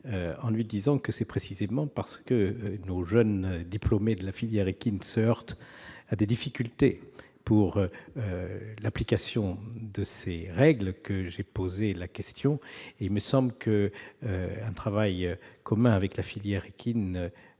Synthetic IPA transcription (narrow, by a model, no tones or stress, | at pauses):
øɑ̃lɥid̪izɑ̃kəsɛpχesizemɑ̃paʁsə̥kənoʒœnd̪iplɔmed̪əlafiljɛʁekʲinsəœʁt̪ad̪ed̪ifikʲylt̪e | puʁølaplikasjɔ̃d̪əseʁɛɡlkəʒepozelakʲɛst̪jɔ̃eilməsɑ̃bləkʰə | ɛ̃t̪χavajkɔmɛ̃avɛklafiljɛʁekʲʰin